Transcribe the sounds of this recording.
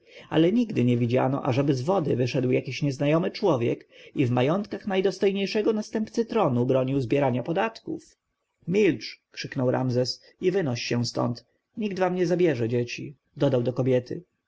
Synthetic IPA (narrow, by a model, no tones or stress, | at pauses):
a̰lɛɲiɡd̪ɘɲɛvʲid͡ʑa̰nɔ̰ʔa̰ʐɛbɘzvɔd̪ɘvɘʂɛd̪wjakʲiɕɲɛznajɔmɘt͡ʂwɔvʲjɛ̰kivmajɔnt̪kaxnajd̪ɔst̪ɔjɲejʂɛɡɔnast̪ɛmpt̪sɘt̪ɾɔnubɾɔɲiwzbʲjɛɾaɲapɔd̪at̪kuf | mʲilt͡ʂkʂɘknɔwɾa̰mzɛs | ivɘnɔɕɕɛ̃st̪ɔ̰nt̪ | ɲiɡ̚d̪vamɲɛzabʲjɛʐɛd͡ʑet͡ɕḭ | d̪ɔd̪awd̪ɔkɔbʲjɛt̪ɘ̰